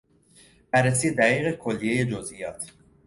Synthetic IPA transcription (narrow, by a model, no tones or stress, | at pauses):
b̥æɾːes̬iːed̪æʁiːɣekʰolːije̞je̞d͡ʒozʔijɒːt̪ʰ